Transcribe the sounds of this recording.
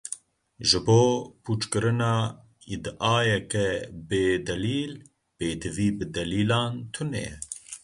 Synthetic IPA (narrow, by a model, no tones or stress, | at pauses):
ʒɨboːpʰuːt͡ʃkɨɾɨnɑː | id̪ʔɑːjɛkɛbeːd̪ɛliːl | b̥eːd̪ɨviːbɨd̪ɛliːlɑːnt̪ʰʊnɛ̰jɛ